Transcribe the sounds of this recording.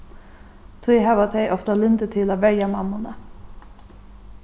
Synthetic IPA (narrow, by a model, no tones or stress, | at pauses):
t̪ʰiːɦavat̪ʰɛjʔɔft̪alɪnd̪ət̪ʰɪlavɛɾjamamːʊna